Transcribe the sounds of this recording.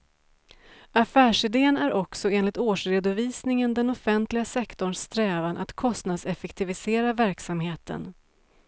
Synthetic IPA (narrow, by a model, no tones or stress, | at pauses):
afæːʂɪd̪eːənæɾʔɔksɔeːnlɪt̪oːʂɾeːd̪ʊviːsnɪŋənd̪ɛnɔfɛnt̪lɪɡasɛkt̪ɔɳt̪ɾɛːvanʔat̪kʰɔst̪nad̪sɛfɛkt̪ʰɪvɪseːɾavæɾksamheːt̪ʰə̰n